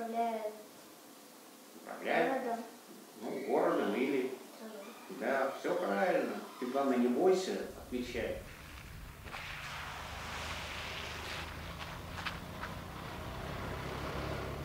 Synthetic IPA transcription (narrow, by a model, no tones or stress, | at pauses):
lʲæjt̪ | əpɾɐ̰vlʲæjd̪a | nuɡoɾəd̪əmilʲɪ | d̪afsʲopɾavʲɪlʲnətɪt̪vamɨnʲɪbojsʲəɐt̪mʲɪt͡ɕːæj